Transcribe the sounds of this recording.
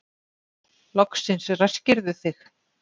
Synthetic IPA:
lɔksɪnsrascɪɾðʏθɪx

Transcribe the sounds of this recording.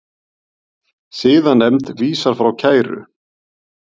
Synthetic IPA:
siːðanːɛmt̪viːsaɾ̥fɾawcʰaːjɾʏ̰

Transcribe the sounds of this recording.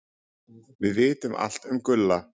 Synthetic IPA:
vɪðvɪːt̪ʏmʔa̰l̥t̪ʏmkʏlːa

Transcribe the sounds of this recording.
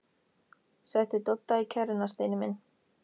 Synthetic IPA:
sɛht̪ɪt̪ɔt̪ːaicʰɛɾɪnast̪ejnɪmɪn

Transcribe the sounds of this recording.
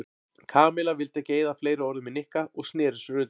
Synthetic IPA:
kʰaːmɪlavɪlt̪ɛceːjðafleːjɾɪɔɾðʏmɪðnɪhkaʔɔɣsnɛːɾɪsʏɾʏːt̪

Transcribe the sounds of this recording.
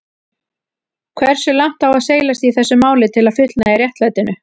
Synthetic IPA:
kʰvɛr̥sʏlawŋ̥t̪awaðseːjlast̪iːθɛsːʏmaːwlɪt̪ʰɪlaðfʏt̪lnairjɛht̪lajt̪ɪnʏ

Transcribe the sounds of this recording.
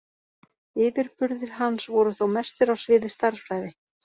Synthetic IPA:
ɪːvɪɾpʏɾðɪɾ̥ɦansvɔɾʏθowmɛst̪ɪɾawsvɪːðɪst̪aɾ̥fɾaːjðɪ

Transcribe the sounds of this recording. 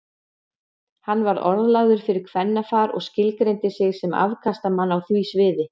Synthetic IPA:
hanːvaɾɔ̰ɾðlaɣðʏɾ̥fɪɾɪɾ̥kʰv̥ɛnːafaːɾɔ̰ɣscɪlkɾejnt̪ɪsɪɣsɛma̰vkʰast̪amanːawθviːsvɪːðɪ

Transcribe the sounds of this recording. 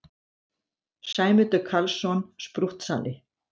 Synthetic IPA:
saːjmʏt̪œkʰalsɔnspɾuht̪sa̰ːlɪ

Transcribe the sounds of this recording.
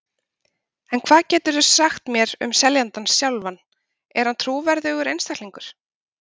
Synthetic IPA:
ɛnkʰvaːðcɛːt̪ʏɾðʏ̥saxt̪mjɛɾʏ̰msɛljant̪ansjawlvan | ɛɾ̥hant̪ʰɾuːvɛɾðʏɣʏɾejnst̪akliŋkʏɾ̥

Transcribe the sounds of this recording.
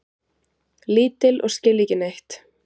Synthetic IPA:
liːt̪ɪlʔɔ̰ɣscɪlːicɪnejht̪

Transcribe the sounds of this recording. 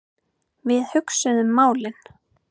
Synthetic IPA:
vɪðhʏksʏðʏmːaːwlɪn

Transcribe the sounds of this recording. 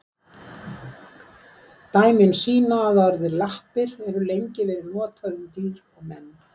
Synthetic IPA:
t̪aːjmɪnsiːnaːðaɾðɪɾlahpɪɾɛɾʏlejɲcɪvɛːɾɪɾnɔːt̪ʰaɾʏmt̪iːɾɛɣmɛn

